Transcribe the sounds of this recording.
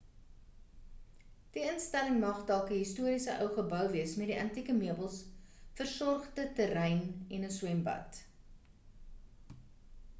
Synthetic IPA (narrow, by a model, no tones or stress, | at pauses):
d̥iənstæləŋmɐχdælˠkəɦistuəɾisəʔœwχəbœwviəsmɛtdiʔɐntikəmiəbəlˠsfərsɔrχdətəɾɛjnɛnəswɛmbɐ̰t